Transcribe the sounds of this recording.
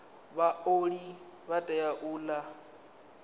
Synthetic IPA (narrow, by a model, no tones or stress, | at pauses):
βaoɺi | βatʼɛjaʔuːla